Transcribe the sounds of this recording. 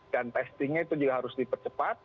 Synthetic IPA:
d̥ant̪ɛst̪iŋɲait̪ud͡ʒuɡaɦaɾʊsdipərt͡ʃəpat̪̚

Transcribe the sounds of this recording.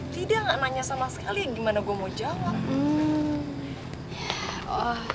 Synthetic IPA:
t̪idaŋanaɲasamasə̥kaliaɡimanaɡuamod͡ʒawaŋ̩ | ja | ɔ

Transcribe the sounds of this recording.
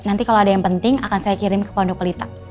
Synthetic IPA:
nant̪ikaloadajaŋpənt̪ɪŋakansajakiɾɪmkə̥pɔndupəlit̪a

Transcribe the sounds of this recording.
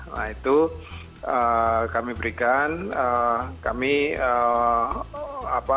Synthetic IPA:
na̰it̪u | əkamibəɾikanəkamiə | apa

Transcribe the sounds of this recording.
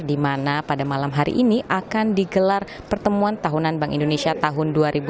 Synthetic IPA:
dimanapadamalamɦaɾḭʔiniʔakandiɡəlar | pərt̪əmuant̪aɦunanbaŋʔḭndonesiat̪aɦʊnduaɾibu

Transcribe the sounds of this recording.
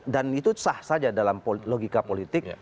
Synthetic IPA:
danit̪usahsad͡ʒadalampoloɡikapolit̪ɪk̚

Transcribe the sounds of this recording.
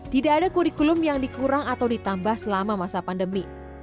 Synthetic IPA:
t̪idaːdakuɾikulʊmjaŋdikuɾaŋat̪awdit̪ambahsəlamamasapandəmi

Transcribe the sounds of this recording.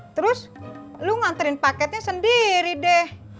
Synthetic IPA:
t̪əɾʊsluŋant̪əɾɪnpakɛt̪̚ɲasəndiɾidɛh

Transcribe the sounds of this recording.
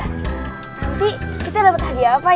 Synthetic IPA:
apikit̪adapət̪ad̪iapa

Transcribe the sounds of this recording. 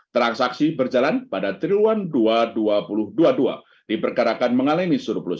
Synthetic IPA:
t̪ɾansaksibərd͡ʒalanpadat̪ɾiluanduaduapulʊhduadua̰ | d̥ipərkaɾakanməŋalanisuɾplʊs

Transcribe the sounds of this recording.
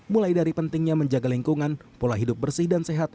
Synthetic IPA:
mulajdaɾipənt̪ɪŋɲaməɲd͡ʒaɡaliŋkuŋanpolaɦidʊp̚bərsɪhdanseɦat̪̚

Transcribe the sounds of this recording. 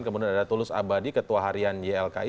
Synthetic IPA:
nkəmuduanadat̪ulʊsa̰badikət̪uaɦaɾiand͡ʒeɛlka̰i

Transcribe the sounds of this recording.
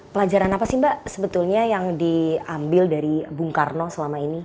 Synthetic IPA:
pəlad͡ʒaɾanapasimbaʔsəbət̪ulɲajaŋdiambɪldaɾibuŋkarnɔsəlamaini

